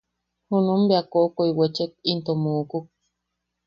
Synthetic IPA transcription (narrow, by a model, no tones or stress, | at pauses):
hunumbeakoʔkoiwet͡ʃek̚int̪omuʔkuk̚